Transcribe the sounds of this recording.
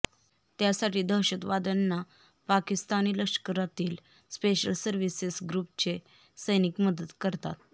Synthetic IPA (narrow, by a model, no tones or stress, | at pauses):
t̪jasaʈiːd̪əɦɕət̪ʋad̪ənːa | pakist̪aniːləkʂkəɾat̪iːl | speɕəlsəɾʋisesɡɾup̚t͡ɕe | səjnikməd̪ət̪kəɾt̪a̰t̪